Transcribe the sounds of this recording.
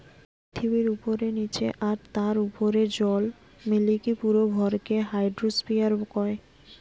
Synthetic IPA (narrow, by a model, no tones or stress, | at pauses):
ppɾit̪ʰibiɾupoɾenit͡ɕʰḛʔaɾt̪aɾupoɾed͡ʑɔl | milikipuɾobʱɔɾkeɦajɖɾospijaɾkɔe